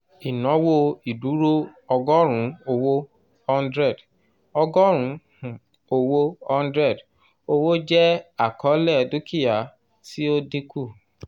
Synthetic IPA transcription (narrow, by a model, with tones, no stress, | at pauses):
i˨nɔ̃˨˦wo˦i˨du˨˦ɾo˦ɔ˧ɡɔ˦ɾ̃ũ˨˦o˧wo˧ | ɔ˧n˦dɾɛ˦˨d | ɔ˧ɡɔ˦ɾ̃ũ˨˦h | o˧wo˧ɔ˧n˦dɾɛ˦˨d | o˧wo˦d͡ʒɛ˦a˨kɔ˨˦lɛ˦˨du˦kʰi˦˨ja˨ | si˦o˦di˦kʰu˦˨